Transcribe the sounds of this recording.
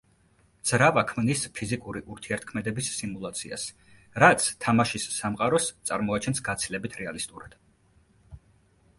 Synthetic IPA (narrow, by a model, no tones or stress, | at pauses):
d̪z̥ɾavakʰmnispʰizikʼuɾiʔuɾt̪ʰiɛɾt̪̚ʰkʰmɛd̪ɛbisːimulˠat̪sʰia̰s | ɾat̪sʰt̪ʰamaʃisːamqʼaɾɔst̪sʼaɾmɔat͡ʃʰɛnsɡat̪sʰilɛbit̪ʰɾɛalist̪ʼuɾad̪̥